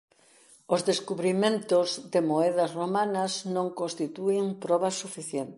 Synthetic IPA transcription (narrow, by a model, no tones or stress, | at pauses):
ozðeskuβɾimẽnt̪ʊzðɪmoɛðɐsromanɐznõŋkõnst̪it̪uɪŋpɾɔβɐsufiθjɛnt̪